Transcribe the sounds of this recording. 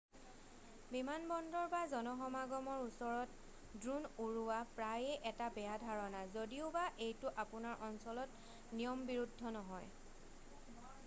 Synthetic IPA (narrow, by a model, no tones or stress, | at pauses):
bimanbɔndɔɹbazɔnɔxɔmaɡɔmɔɹusɔɹɔt | dɹunuɹuwapɹajɛʔɛtabɛjadʱaɹɔnazodiʊbaʔejtʊʔapʊnaɹʔɔnsɔlɔt | nijɔmbiɹudʱːɔnɔɦɔj